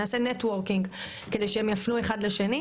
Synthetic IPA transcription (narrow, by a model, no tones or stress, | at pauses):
aːsenetwoʁkiŋɡ | kedejʃeemjafnue̞χadle̞ʃe̞ni